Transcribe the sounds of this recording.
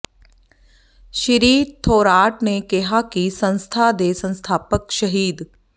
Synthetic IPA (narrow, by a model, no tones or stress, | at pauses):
ʃɪɾiːt̪ʰoːɾaːʈnekeɦakisɐ̃nst̪ʰad̪eːsɐ̃nst̪ʰaːpəkʃɐɦiːd̪